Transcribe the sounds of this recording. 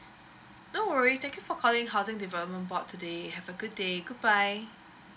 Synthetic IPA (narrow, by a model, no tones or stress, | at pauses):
nowəɹitɛ̃ŋkjufɔkʰɔlɪ̃ŋɦaʊzɪ̃ŋdivɛləp̚mə̃nbɔtʰːudehɛvəɡud̚ːeɡud̚baɪ